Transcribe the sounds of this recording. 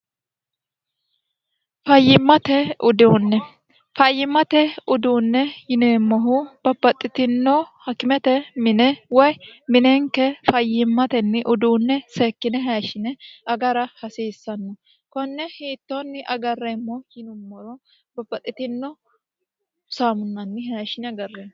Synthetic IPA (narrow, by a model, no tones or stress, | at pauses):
fɐjːɪmːɐt̪ɛʊd̪onːɛ | fɐjːɪmːɐt̪ɛʊd̪uːnːɛjɪneːmːɔɦʊb̥ɐbɐt̪ʼːɪt̪ɪnːɔhɐkːɪmɛt̪ɛmɪnɛwɔjmɪnɛŋkːɛfɐjːɪmːɐt̪ɛnːɪʔʊd̪uːnːɛsɛkːɪnɛɦaɐʃɪnɛɐɡɐɾɐhɐseːsːɐnːɔ | kɔnːɛheːt̪ːonːɪʔɐɡɐrːemːɔjɪnʊmːɔɾɔ | bɐbɐt̪ʼːɪt̪ɪnːɔ | saːmʊnːɐnːɪɦɐʃɪnɛɡɐrːe